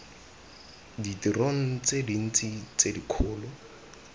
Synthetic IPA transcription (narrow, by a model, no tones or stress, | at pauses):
ditiroŋ̩t͡sedin̩t͡sit͡sedikʰʊːlɔ